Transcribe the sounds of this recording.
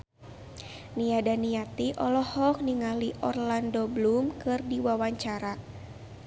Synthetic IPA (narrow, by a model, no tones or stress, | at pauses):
niadaniat̪iʔɔlɔhɔk̚niŋaliʔɔrlandoblumkɨrdiwawaɲt͡ʃaɾa